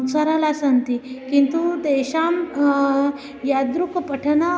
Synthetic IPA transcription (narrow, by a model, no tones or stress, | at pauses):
saɾalasənt̪ikint̪ud̪eɕam | jad̪ɾukpəʈʰəna